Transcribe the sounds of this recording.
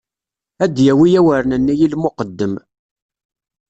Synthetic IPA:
æd̪jæwijæwəɾnənːæjilmʊqəd̪ːəm

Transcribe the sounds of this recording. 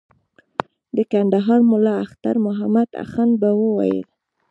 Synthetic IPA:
d̪əkand̪aɦɑɾmʊlɑaxt̪aɾmʊɦamad̪a̰xanbawəwa̰jə̰l

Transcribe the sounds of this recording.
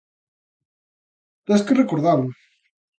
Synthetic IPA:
t̪eskerekoɾðal

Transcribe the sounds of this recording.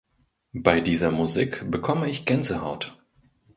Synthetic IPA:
b̥aɪdiːzɐmuziːkb̥əkʰɔməɪçɡ̥ɛnzəha̰ʊt

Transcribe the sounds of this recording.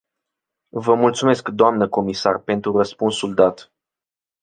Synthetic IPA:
vəmult̪sume̞skd̪oamnəko̞misarpe̞nt̪ɾurəspunsuld̪at̪

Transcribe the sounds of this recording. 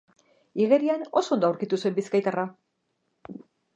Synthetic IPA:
iɣe̞ɾiano̞so̞nd̪oawɾkit̪usue̞mbiskajt̪ara

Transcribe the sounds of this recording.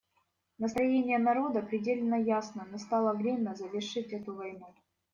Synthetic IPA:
nəst̪ɾɐjenʲɪjənɐɾo̞d̪əpɾʲɪdʲelʲɪnːəjasnənɐst̪ɑlˠəvɾʲemʲnəzəvʲɪrʂɨtʲɛt̪ʊvɐjnu

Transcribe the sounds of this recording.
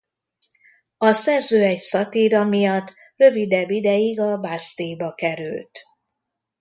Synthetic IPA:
ɒsɛrzøːɛcsɒt̪iɾɒmijɒt̪ː | rø̞vid̪ɛbːid̪ɛjiɡɒbast̪ejbɒkɛɾy̰lt̪

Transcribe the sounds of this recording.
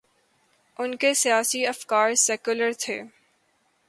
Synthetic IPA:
ʊnkesijaːsiɐfkaːɾsɛːkʊləɾt̪ʰeː

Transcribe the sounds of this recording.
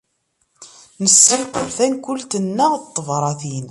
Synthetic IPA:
nəsɾiqəɾθænkʷʊlt̪ənːæʁt̪ˤːəvɾˤɑθin

